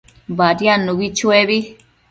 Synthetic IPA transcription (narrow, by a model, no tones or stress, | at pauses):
βaɾjãnũβit͡ʃueβi